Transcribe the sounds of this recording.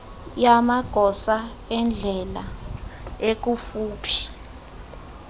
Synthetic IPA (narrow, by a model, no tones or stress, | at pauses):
jamaɡ̥ʱɔsa | ɛnd͡ɮʱɛla | ek̬ufuːpʰi̥